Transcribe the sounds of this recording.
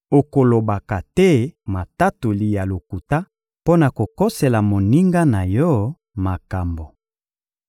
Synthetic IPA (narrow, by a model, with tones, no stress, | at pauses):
o˨ko˨lo˨ba˨ka˨tɛ˦ma˨ta˦to˨li˨ja˨lo˨ku˨ta˦ | po˦na˨ko˨ko˦se˨la˨mo˨ni˦ŋɡa˦na˨jɔ˦ | ma˨ka˨mbo˨